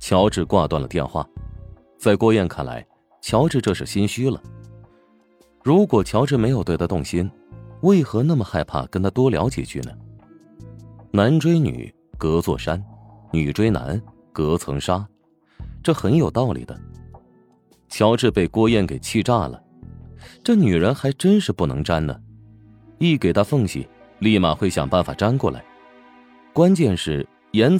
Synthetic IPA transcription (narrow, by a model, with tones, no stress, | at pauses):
t͡ɕʰjɑ˧˥ʊʈ͡ʂɻ̩˥˧kwa˥˧t̪wa˥˩nlə̰˩t̪jɛ̰˥˧nxwa̰˥˩ | t͡sa˥˧ɪkwɔ˥˧jɛ˥˩nkʰa˥˩nla̰˧˥ɪ | t͡ɕʰjɑ˧˥ʊʈ͡ʂɻ̩˥˧ʈ͡ʂɤ˥˧ʂɻ̩˥˩ɕi˥nɕy˥lə̰˩ | ɻu˧˥kwɔ˨˩t͡ɕʰjɑ˧˥ʊʈ͡ʂɻ̩˥˩me˧˥ɪjo˨˩t̪we˥˩ɪa˥t̪ʊ˥˩ŋɕi˥n | we˥˩ɪxɤ˧˥na˥˩mə˩xa˥˧ɪpʰa̰˥˩kə˥nt̪ʰa˥t̪wɔ˥ljɑ̰˧˥ʊt͡ɕjɛ̰˨˩t͡ɕʰy˥˩nə˩ | na˧˥nʈ͡ʂwe˥ɪny̰˨˩˦ | kɤ˧˥t͡swɔ̰˥˩ʂa˥n | ny˨˩ʈ͡ʂwe˥ɪna̰˧˥n | kɤ˧˥t͡sʰɤ˧˥ŋʂa˥ | ʈ͡ʂɤ˥˩xə˧˥njo˨˩ʊt̪ɑ˥˩ʊlḭ˨˩d̪ə˦ | t͡ɕʰjɑ˧˥ʊʈ͡ʂɻ̩˥˧pe˥˩ɪkwɔ˥jɛ˥˩nke˨˩ɪt͡ɕʰi˥˧ʈ͡ʂa˥˩lə̰˩ | ʈ͡ʂɤ˥˩ny˨˩ɻə˧˥nxa˧˥ɪʈ͡ʂə˥nʂɻ̩˥˧pu˥˩nɤ̰˧˥ŋʈ͡ʂa˥nnə̰˨ | i˥˩ke˨˩ɪt̪ʰa˥fɤ˥˩ŋɕḭ˨˩ | li˥˧ma̰˨˩xwe˥˩ɪɕjɑ̰˨˩ŋpa˥˩nfa̰˨˩ʈ͡ʂa˥nkwɔ˥˩la̰˧˥ɪ | kwa˥nt͡ɕjɛ˥˧nʂɻ̩˥˩ | jɛ˧˥n